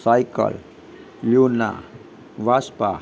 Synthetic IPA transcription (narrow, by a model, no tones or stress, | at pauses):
sajkə̰l | luna̰ | ʋaspa